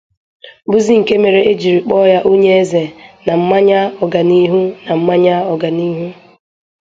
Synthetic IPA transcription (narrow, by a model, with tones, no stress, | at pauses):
bu˦zi˦ŋ̩˨ke˦me˨ɾe˨˦ʔe˦d͡ʒi˨ɾi˨k͡pɔ˦ja˦ʔo˦ɲe˦e˦ze˨na˨m̩˦ma˦ɲa˦ɔ˨ɡa˨ni˦ɦu˦na˨m̩˦ma˦ɲa˦ɔ˨ɡa˨ni˦ɦu˦